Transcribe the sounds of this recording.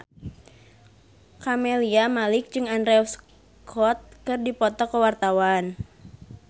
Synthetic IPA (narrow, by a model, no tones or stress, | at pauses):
kamɛliamalɪk̚d͡ʒɨŋandɾɛɔs | kʰɔt̪̚kɨrdipɔt̪ɔkəwart̪awan